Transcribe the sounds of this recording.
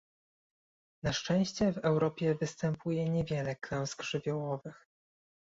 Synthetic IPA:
naʂt͡ʂɛ̃w̃ɕt͡ɕɛvɛwɾɔpʲjɛvɘst̪ɛmpʰujɛɲevʲjɛlɛklɛw̃zɡʐɘvʲjɔwɔvɘx

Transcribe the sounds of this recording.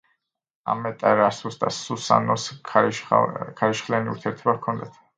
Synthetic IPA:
a̰mɛt̪ʼaɾasusd̪asusa̰nɔs | kʰaɾiʃχlianiṵɾt̪ʰiɛɾt̪ʰɔbakʰɔnd̪at̪ʰ

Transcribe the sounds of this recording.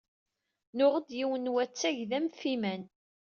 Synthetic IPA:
nʊʁəd̪jiwənwæt͡sːæʝðæmfimæn

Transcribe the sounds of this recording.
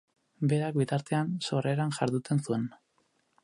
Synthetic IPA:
be̞ɾak̚bit̪aɾt̪e̞anso̞re̞ɾanʝaɾðut͡s̪e̞nsue̞n

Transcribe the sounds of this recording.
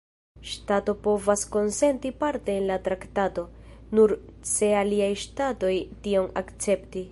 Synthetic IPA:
ʃtato̞po̞vasko̞nse̞ntipaɾte̞ːnlatɾaktato̞nuɾse̞aliajʃtato̞jtio̞nakt͡se̞pti

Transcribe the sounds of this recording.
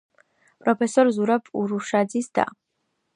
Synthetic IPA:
pʼɾɔpʰɛsɔɾzuɾabʰuɾuʃad̪zisd̪a̰

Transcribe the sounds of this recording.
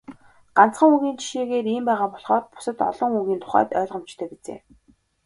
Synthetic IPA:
ɢ̥an̥t͡sχə̆ŋuŋɣiːnt͡ɕʰi̥ʃeːɣeːriːmpæːʁaːpɔɮχɔːrpʊ̥sə̆t̪ɔ̰ɮɞ̆ŋuŋɣʲiːnt̪ʰʊ̥χæ̰ːt̪œːɮʁə̆mt͡ɕt̪ʰœːpit͡sḛː

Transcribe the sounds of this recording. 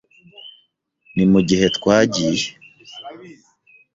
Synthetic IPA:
nimuɟihetkwaːɟiːɾe

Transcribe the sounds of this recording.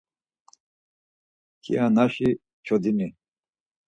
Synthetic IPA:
kʰḭanaʃi | t͡ʃʰɔd̪ini

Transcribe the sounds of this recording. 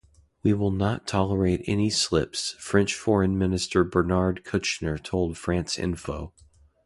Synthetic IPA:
wiwɪlˠnətʰɑlˠə˞eɪɾɛ̰nislɪ̰psfɹɛ̃nt͡ʃfɔɹɨ̃nmɪ̃nɨstə˞bə˞nɑɹd̚kʰʊt͡ʃnə˞tʰoʊlˠd̥fɹæ̃nsɪ̰̃ɱfoʊ

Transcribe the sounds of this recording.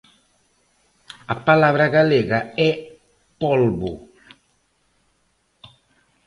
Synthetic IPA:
apalaβɾaɣaleɣaɛ | pɔlbu

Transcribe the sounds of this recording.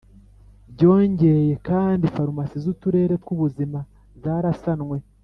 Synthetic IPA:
ɟo̞ːɲɟe̞je̞kaːndifaɾumasizutuɾe̞ːɾe̞kkuβuzima | zaːɾasanŋwe̞

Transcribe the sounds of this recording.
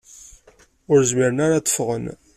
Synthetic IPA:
ʊɾzmiɾənaɾat̪ːə̥fʁə̰n

